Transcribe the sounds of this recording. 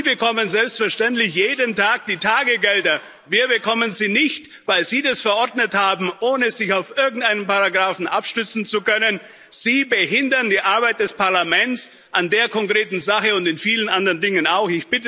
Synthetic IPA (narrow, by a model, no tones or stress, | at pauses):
iːbəkʰɔmənzɛlpstfɛɐʃtɛntlɪçjeːdəntʰaːk̚d̥iːtʰaːɡəɡɛldɐ | viːɐbəkʰɔmənziːnɪçtvaɪlziːdasfɛɐʔɔɐdnəthaːbm̩ʔoːnəzɪçaʊfʔɪɐɡŋ̩tʔaɪnənpaʁaɡʁaːfn̩ʔapʃtʏt͡sn̩t͡sukœnən | z̥iːbəɦɪndɐndiːʔaɐbaɪt̚d̥ɛspʰaɐlamɛnt͡s | ʔandeːɐkʰɔŋkʁ̥eːtn̩zaχəʊntɪnfiːlənʔandɐʁəndɪŋənaʊxɪçb̥ɪtə